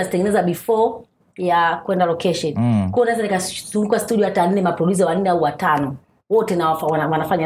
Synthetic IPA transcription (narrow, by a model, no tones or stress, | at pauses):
azitɛŋɡɛnɛzaɓifɔ | jakuɛndalɔkɛʃɔnkuɔnaɛzanikazuŋɡuastuɗiɔhatan̩nɛmapɾɔlizawan̩nɛauwatanɔ | wɔtɛnaafwawanafaɲa